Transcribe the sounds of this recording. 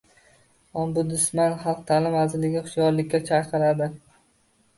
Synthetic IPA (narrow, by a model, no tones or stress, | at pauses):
ɒmbʊd̪ʊsmanχɑlˠq̚t̪ʰaːlɪmazɪlɪɡʲɪχʊ̥ʃɡɒɾlɪkʲːat͡ʃʰajqʰɨɾad̪ɪ